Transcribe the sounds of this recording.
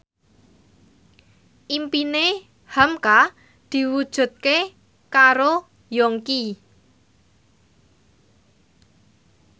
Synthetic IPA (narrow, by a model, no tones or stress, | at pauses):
ʔimpine | hamka | d̪̥i̤wud̥ʒ̥ṳt̪̚ke | kaɾo | jɔŋki